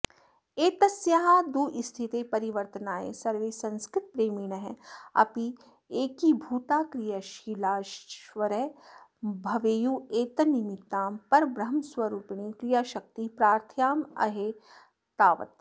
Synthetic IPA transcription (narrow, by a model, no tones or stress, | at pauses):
eːt̪ɐsjaɦaːd̪uːʔɪst̪ʰit̪epɐɾiʋəɾt̪ənaːḛsɐɾʋeːsɐ̃nskɾɪt̪̚pɾeːmiːnɐɦɛɐ̰pi | eːkibʱuːt̪aːkɾijaʃiːlaːʃʋɐɾɛɦ | bʱɐʋeːjueːt̪ɐnimɪt̪ːaːmpɐɾbɾɐɦmswɐɾuːpɳ̃ikɾijaːʃɐk̚t̪ipɾaːɾt̪ʰjaːmɐ̰ɦeː | t̪aːʋə̰t̪